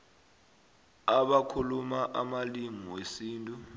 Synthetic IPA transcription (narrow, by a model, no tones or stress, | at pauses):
aɓakʰulumaʔamalimiwesiːntʼu